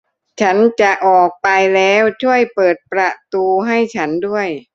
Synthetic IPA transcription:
t͡ɕʰa˦˥nt͡ɕa˨˩ʔɔː˨˩k̚pa˧jlɛː˦˥wt͡ɕʰu˥˩əjpɤː˨˩t̪̚pɾa˧t̪uː˧ɦa˥˩jt͡ɕʰa˦˥ndu˥˩əj

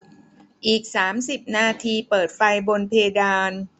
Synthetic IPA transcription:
ʔiː˨˩k̚saː˩˦msi˨˩p̚naː˧t̪ʰiː˧pɤː˨˩t̪̚fa˧jbo˧npʰeː˧ɡaː˧n

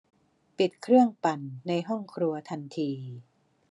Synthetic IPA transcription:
pi˨˩t̪̚kʰɾɯ˥˩əŋpa˨˩nːa˧jɦɔ˥˩ŋkʰɾu˧ɐt̪ʰa˧nt̪ʰiː˧

